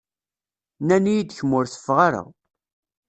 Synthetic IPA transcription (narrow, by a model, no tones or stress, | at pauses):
nænijid̪çəmʊɾθə̥fːʁaɾə̰ʁ